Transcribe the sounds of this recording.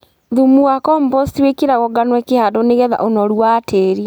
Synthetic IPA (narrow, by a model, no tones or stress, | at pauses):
ðumuɣakɔmbɔstiwekiɾaɣɔɡanwɛkehadɔneɣɛða̰ʔonɔɾwaːtʰeːɾi